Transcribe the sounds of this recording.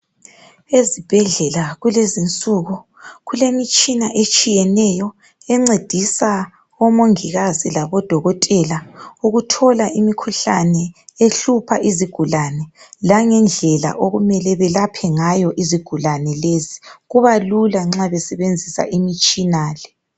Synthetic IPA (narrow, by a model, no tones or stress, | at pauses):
ezib̥ʱɛɮɛlaɣulezint͡sʼuɣu | ɣulemit͡ʃʼinaʔet͡ʃʼijɛnɛjɔ | ɛŋ͡ǀed̥ʱisa | ɔmoŋiɣazilaβɔd̥ʱɔɣɔtʼɛlauɣutʰɔlaʔimikʰuɬanɛeɬupʰa̰ʔiziɡ̥ʱulanɛlaŋɛnd͡ɮʱɛla̰ʔoɣumɛlɛβɛlapʰɛŋajɔʔiziɡ̥ʱulanɛleziɣuβalulaŋ͡ǁaβɛsɛβend͡zʱisa̰ʔimit͡ʃʼinaːlɛ